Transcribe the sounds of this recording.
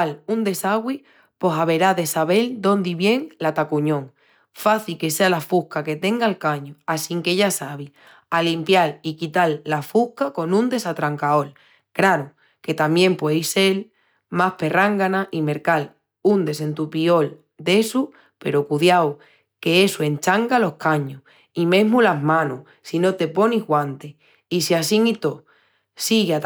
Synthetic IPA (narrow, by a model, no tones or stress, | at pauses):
alund̪e̞saɣwi | po̞saβe̞ɾaðe̞saβe̞ld̪o̞nd̪iβje̞ŋlat̪akuɲõ̞ŋ | faθilke̞sealafuhkake̞t̪e̞ŋɡaelkaɲuasiŋke̞ʝasaβi | alimpjalikit̪alːafuhkako̞nũnd̪e̞sat̪ɾaŋkao̞l | kɾaɾu | ke̞t̪amjẽ̞mpwejse̞l | mahpe̞raŋɡanaʔime̞ɾkal | und̪e̞se̞nt̪upio̞l | d̪e̞su | pe̞̰ɾokuðjaw | ke̞e̞sue̞nt͡ʃaŋɡalo̞hkaɲu | ime̞ɦmulaɦmãnu | sino̞t̪e̞po̞niɦɣwãnt̪e | isiasiŋit̪o̞ | siɣeat̪